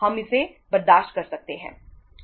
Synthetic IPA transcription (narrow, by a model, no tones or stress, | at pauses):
ɦɐmɪse | bɐɾd̪aːʃt̪̚kɐɾsɐk̚t̪eɦɛ̰̃ː